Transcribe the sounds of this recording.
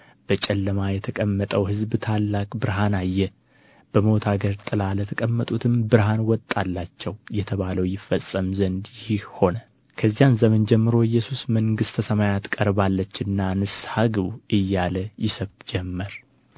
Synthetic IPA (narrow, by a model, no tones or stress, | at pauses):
b̥ət͡ʃʼɛlːəmajɛt̪ʰəkʼəmːət̪ʼəwhɨzbt̪ʰalːakʼbɨɾɦanajːɛ | b̥əmo̞t̪ʰaɡəɾt̪ʼɨlalət̪ʰəkʼəmːət̪ʼut̪ʰɨmbɨɾɦanwɔt̪ʼːalːat͡ʃːɛwjɛt̪ʰəβaləwjɪfːəsʼːəmzənd̪jɪhihho̞nə | kʰəzːijanzəmənd͡ʒɛmːɨɾo̞ɪjːɛsusməŋɡɨst̪ʰəsəmajat̪kʼəɾbalːət͡ʃːɨnːanɨshaɡɨβuʔɨjːaləjɪsəβk̪d͡ʒɛmːəɾ